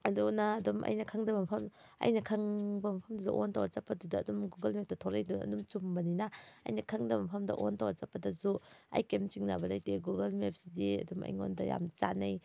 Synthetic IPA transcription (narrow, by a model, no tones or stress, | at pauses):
ɐdunɐːdumʔɐ̰jnɐkʰɐŋdɐmɐmpʰɐm | ɐ̰jnɐkʰɐŋbɐmɐpʰɐmdudɐ̰ʔontawazapːɐdudɐːdumɡuɡɐlmep̚tɐtʰolɐjduɐ̰dumt͡ʃumbɐninɐ̰ːjnɐkʰɐŋdɐmɐmpʰɐmdɐ̰ʔontawɐzapːɐdɐzua̰jkemt͡ʃiŋnabɐlajteɡuɡɐlmep̚sidiɐ̰dumɐ̰jŋo̰ndɐja̰mt͡ʃa̰naj